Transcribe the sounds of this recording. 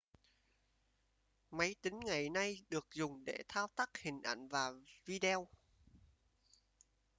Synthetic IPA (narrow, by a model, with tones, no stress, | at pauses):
mə˨˦jt̪ï˨˦ŋ̟ŋa˨˩jna˧jɗɨ˨˩ək̚zʊ˨˩ŋ͡mɗḛ˧˩t̪ʰaː˧wt̪a˦˥k̚hï˨˩ŋ̟ʔa̰˧˩jŋ̟vaː˨˩vi˧ɗɛ˧w